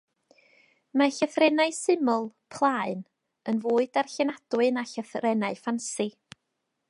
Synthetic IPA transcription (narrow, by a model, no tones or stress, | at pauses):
maɬəθrɛnaɨsɪmɔlˠpʰlˠaːɨn | ənvoːɨdarɬɛnad̥wɨnaɬəθrɛnaɨfansɪ